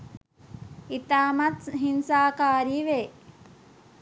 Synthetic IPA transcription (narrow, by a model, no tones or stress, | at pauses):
it̪aːmatɦinsaːkaːɾiːʋeː